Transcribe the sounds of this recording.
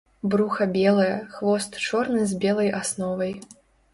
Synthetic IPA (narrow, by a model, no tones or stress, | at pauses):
bɾuxɐbʲɛlˠɐjɐxvɔst̪t͡ʂɔrnɨzʲbʲɛlˠɐjasnɔvɐj